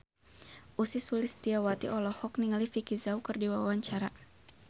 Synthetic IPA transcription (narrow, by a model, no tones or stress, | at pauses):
ʔusisulɪst̪iawat̪ḭʔɔlɔhɔk̚niŋalifikizaukɨrdiwawawaɲt͡ʃaɾa